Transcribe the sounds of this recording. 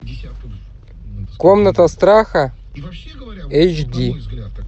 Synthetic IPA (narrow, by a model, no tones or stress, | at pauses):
komnɐt̪ʰɐst̪ɾaxɐ | ejt͡ʃd̪ʲi